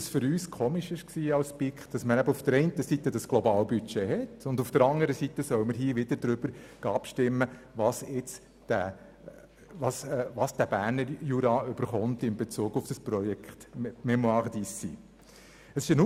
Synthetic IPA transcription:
ɑsfʏɾyːskʰoːmɪʃɪʃksiːɑlspikχd̥ɑsməɾæbəufd̥əɾɛɪntəsitːədɑsɡ̥lɔbɑːlbyt͡ʃeɦɛtʊndufd̥əɾɑŋəɾəsitːəsœʊəməɾɦiːəʋɪd̥əɾdɾʏb̥əɾɡ̥ɑɑpʃtɪmːəʋɑsɪt͡s | d̥æ | ʋɑsʋɑsd̥æb̥æːɾnəɾjuɾɑʏb̥əɾχʊnt̪ɪmbet͡suːɡ̥ʊfd̥ɑsprɔjɛkχtmɛmoɑʁd̪isḭ | əsɪʃənu

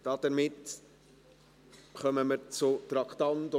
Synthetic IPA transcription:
d̥ɑd̥ɛɾmɪt | χœməməɾt͡sʊt̪ɾɑktɑnt

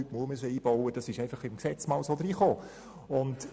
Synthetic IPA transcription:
ytmuəmysəiːb̥ɔʊəd̥ɑsɪʃɛɪfɑχɪmksɛt͡smɑːlsoːd̪ɾiːχoː | ʊnt

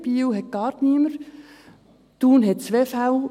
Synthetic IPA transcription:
b̥iːwɦɛt̚ɡ̥ɑːɾt̪niməɾ | t̪uːnɦɛt̪̚t͡sʋefaw

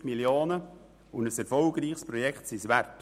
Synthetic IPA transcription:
miljoːnə | ʊndəsɛɾfɔlɡ̥ɾiːχspɾɔjɛkχtsisʋært

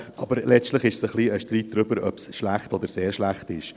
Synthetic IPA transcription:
ʔɑbəɾlɛt͡ʃtləχɪʃsəχliːəʃtɾiːt̚d̥ɾʏbəɾœ̰psʃlæχtɔd̪əɾseːɾʃlæχtɪʃ

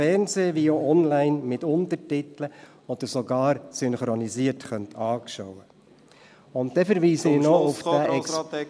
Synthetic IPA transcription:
ɛɾnzeːʋioɔnlæɪnmɪtʊntətɪtlə | ɔd̪̥əɾsoɡɑːɾsʏnχɾɔniziəɾtχœntʰɑːkʃɔwə | ʊnt̚dɛfəɾʋiːsəɪnɔʊfæɛ

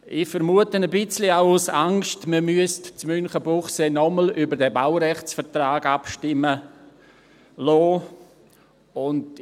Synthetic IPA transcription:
ʔɪfəɾmuətənəbɪt͡sliaʊusaŋʃtməmyəstt͡smʏnχəbuχseːnɔməlybəɾdɛbawɾɛχt͡sfəɾtraːɡ̥apʃtɪmə | lɔː | ʊnd

